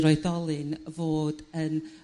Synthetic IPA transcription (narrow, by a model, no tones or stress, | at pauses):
ɾɔɨθɔlˠɨnvoːdən